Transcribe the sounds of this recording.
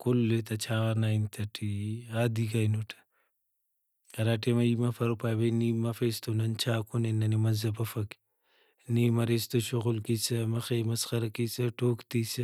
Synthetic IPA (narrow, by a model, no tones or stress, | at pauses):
kolːet̪ɐt͡ʃʰaːnaint̪ʰɐʈʰiaːd̪ikɐjnoʈʰɐ̥ | ɐɾaʈemɐimɐfɐɾopaːjbeniːmɐfest̪onɐnt͡ʃʰaːkonenːɐnimɐzɐbɐfɐki̥ | niːmɐɾest̪oʃoɣʊlkisɐmɐxemɐsxɐɾɐkisɐʈoːkt̪isɐ